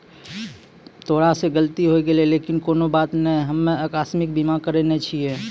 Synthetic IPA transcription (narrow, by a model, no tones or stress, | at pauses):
t̪ʰoːɽaseɡəlt̪iɦoeɡeleleːkɪnkoːnobaːt̪nəɦĩɦəmːẽəkaːsmɪk̚bimakəɾenet͡ʃʰie